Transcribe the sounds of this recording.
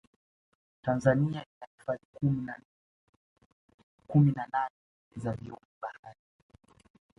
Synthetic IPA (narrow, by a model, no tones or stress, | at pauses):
tanzaniaʔinafi̥faɲi | kuminananɛ | zaviɔmuɓahaɾi